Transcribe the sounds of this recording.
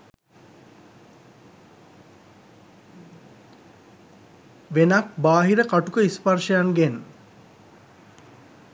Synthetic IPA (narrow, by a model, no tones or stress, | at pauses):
ʋenakbaːɦiɾəkaʈukəisparʂəjanɡen